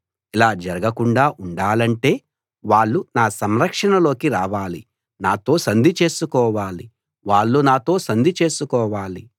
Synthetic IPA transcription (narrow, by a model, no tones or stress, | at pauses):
ilaːd͡ʒɐɾɐɡɐkuɳɖaːʔuɳɖaːlɐɳʈe̞ː | ʋaːɭːunaːsɐmɾɐkʂɐɳɐlo̞ːkiɾaːʋaːli | naːt̪o̞ːsɐnd̪ʱit͡ʃe̞ːsukɔːʋaːli | ʋaːɭːunaːt̪o̞ːsɐnd̪ʱit͡ʃe̞ːsukɔːʋaːli